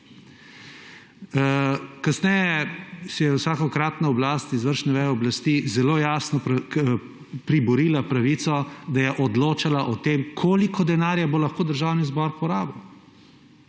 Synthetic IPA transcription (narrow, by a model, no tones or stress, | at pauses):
kasnɛjɛsɛjɛwsaːkɔkɾaːt̪naɔblaːst̪izʋəɾʃnɛʋɛjɛɔblast̪izɛloːjaːsnɔ | pɾibɔɾiːlapɾaʋiːt̪sɔd̪ajɛʔɔd̪loːt͡ʃalaʔɔt̪eːmkʰoːlikʰɔd̪ɛnaːɾjabolɐxkoːd̪əɾʒaːwnizbɔɾpɔɾaːbɐw